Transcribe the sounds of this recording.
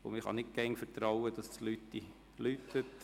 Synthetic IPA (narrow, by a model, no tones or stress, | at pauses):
ʊ̰mɪχɑ̰nɪt̚ɡ̥ɛnfəɾt̪ɾawəd̥ɑstlytdi | lythøt